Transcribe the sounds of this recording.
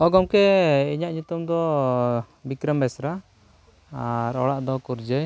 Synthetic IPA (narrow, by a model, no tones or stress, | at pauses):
ɔɡɔmkɛiɲaʔɲut̪umd̪ɔ | bikɾəmbɛsɾa | aɾɔɽaʔd̪ɔkuɾd͡ʒɛj